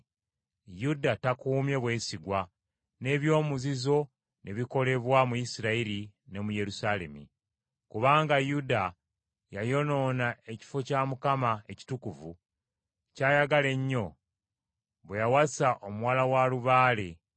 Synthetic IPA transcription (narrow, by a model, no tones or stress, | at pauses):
judatakuːmje̞βwe̞ːsiɡwa | ne̞ːβjo̞ːmuzizo̞ | nʔe̞βiko̞le̞βwamujisiɾaiɾine̞muje̞ɾusale̞̰mḭ | kuβaːŋɡajuda | jajo̞no̞ːnae̞ci̥fo̞camukamaeci̥tukuvṵ | caːjaɡale̞ɲːo̞ | βejawasaʔomuwaːlawaluβaːle